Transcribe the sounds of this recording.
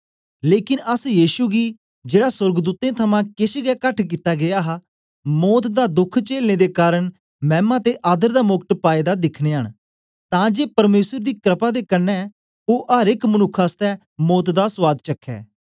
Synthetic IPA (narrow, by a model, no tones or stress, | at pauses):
leːkɪnəsjiːʃuːɡiː | d͡ʒeːɽaːsʊɾɡd̪uːt̪ẽːt̪ʰəmãːkɪsɡɛːkəʈʰk̬it̪ːaːɡɪjaːɦa | mɔːt̪d̪aːd̪ʊkʰt͡ʃeːlneːd̪eːkaːɾəɳ | mɛːmãːt̪eːʔaːd̪əɾd̪aːmʊkʈpaːeːd̪ad̪ɪkʰneːɦəɳ | t̪ãːd͡ʒeːpɐɾmeːsəɾd̪iːkɾəpaːd̪eːkənːɛː | oːʔəɾɪkmənʊkʰːaːst̪ɛː | mɔːt̪d̪aːswaːd̪t͡ʃəkʰːɛ̰ː